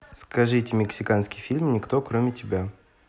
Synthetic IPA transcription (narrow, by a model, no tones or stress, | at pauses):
skɐʐɨtʲɪmʲɪksʲɪkanskʲɪjfʲilʲmnʲɪkt̪okɾomʲɪtʲɪbʲa